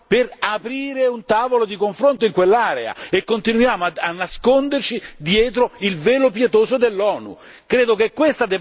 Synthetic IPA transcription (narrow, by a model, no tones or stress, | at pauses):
perapɾiːɾeunt̪aːvolod̪ikoɱfɾont̪oiŋkwelːaːɾḛa̰ekːont̪inujaːmoaanːaskond̪ert͡ʃid̪jɛːt̪ɾoilveːlop̬jet̪oːzod̪elːɔːnṵ | kɾeːd̪okekːwest̪ad̪e